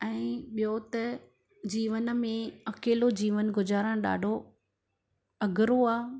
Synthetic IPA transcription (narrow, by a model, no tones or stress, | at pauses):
ɛ̃ːɓijot̪ɐ | d͡ʑiːʋən̆mẽɐkeːlod͡ʑiːʋənɡʊzaːɾə̃ɽ̃ɗa̰ːɖʱo | ɐɡʱɪɾoaː